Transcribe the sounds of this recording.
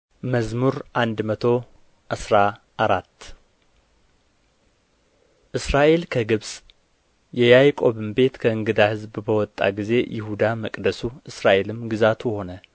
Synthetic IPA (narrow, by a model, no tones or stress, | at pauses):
məzmuɾʔand̪mət̪ʰo̞ | ʔɨsɾa | ʔaɾat̪ː | ʔɨsɾaʔe̞lkʰəɡɨβsʼ | jɛjajkʼo̞βɨmbe̞t̪kʰəɨŋɡɨd̪ahɨzbbəwɔt̪ʼːa̰ɡize̞jʔɪ̰hud̪aməkʼd̪əsuɨsɾaʔe̞lɨmɡizat̪ʰuho̞nə